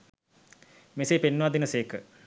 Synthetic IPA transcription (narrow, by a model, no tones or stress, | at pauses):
meseːpenːuʋad̪inəseːkə